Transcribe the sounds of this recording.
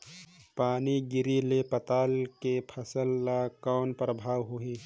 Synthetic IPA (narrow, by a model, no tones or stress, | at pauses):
paːniɡɪɾilepət̪aːlkepʰɐsəlːakaːnpɾəbʱaːwɦʊiː